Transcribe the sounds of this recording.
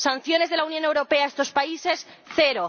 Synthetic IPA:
san̟θjo̞ne̞zðe̞launjõne̞wɾo̞pe̞aest̪o̞spaise̞sθe̞ɾo

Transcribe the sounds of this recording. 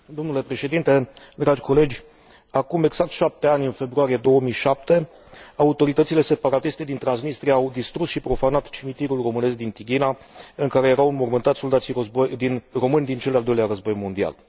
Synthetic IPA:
d̪o̞mnule̞pɾe̞ʃe̞d̪int̪e̞d̪ɾad͡ʒʲko̞le̞d͡ʒʲ | akume̞ɡz̥akt̪ʃap̚t̪e̞anʲɨnfe̞bɾuaɾije̞d̪o̞wəmijʃap̚t̪e̞ | aut̪o̞ɾit̪ət̪sile̞se̞paɾat̪ist̪e̞d̪int̪ɾansnist̪ɾijaːawd̪ist̪ɾusʃipɾo̞fanat̪t͡ʃimit̪iɾulro̞mɨne̞sk̚d̪int̪iɡʲina | ɨŋkaɾe̞jeɾawunmormɨnt̪at̪so̞ld̪at̪siobojd̪inro̞mɨnʲd̪int͡ʃeld̪ald̪ojliaɾəzbo̞jmo̞nd̪ia̰l

